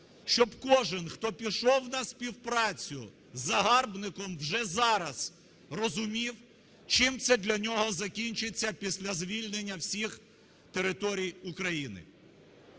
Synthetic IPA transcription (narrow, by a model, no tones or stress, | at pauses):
ʃt͡ʃɔbkɔʒɪnxt̪ɔpʲiʃɔwnɐsʲpʲiwpɾɑt͡sʲʊ | zɐɦɑrbnɪkɔmwʒɛzɑɾɐz̥ | rɔzʊmʲiw | t͡ʃɪmt̪sɛd̪lʲɐnʲɔɦɔzɐkʲinʲt͡ʃɪt͡sʲːɐpʲisʲlʲɐzʋʲilʲnenʲːɐwsʲix | t̪eɾɪt̪ɔɾʲijʊkɾɐjinɪ̰